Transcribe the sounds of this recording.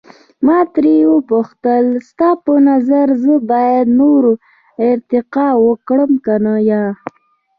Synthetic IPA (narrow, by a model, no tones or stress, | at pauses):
mɑt̪ɾiwəpuxt̪əlst̪ɑpənazaɾzəbɑjad̪noɾo | ɪɾt̪ɪqɑwəkɽəmkanajɑ